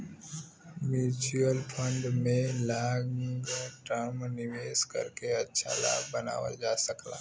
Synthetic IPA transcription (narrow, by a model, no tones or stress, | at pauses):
mjuːt͡ʃuəlpʰə̃ɳɖmẽlaːɡɡʈəmnɪʋeːskə̰ɾkeətːʃʰa̰la̰ːɡbəna̰ːwa̰d͡ʒasəkla̰ː